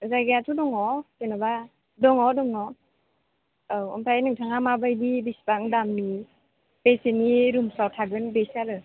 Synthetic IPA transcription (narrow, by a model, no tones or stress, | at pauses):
zajɡaatʰudɔŋɔtɯnaba | dɔŋɔdɔŋɔ | ɯɔ̰mtʰajnɯŋtʰaŋamabajdibisbaŋdamni | peseniɾumsawtʰaɡɯnbesaɾɯ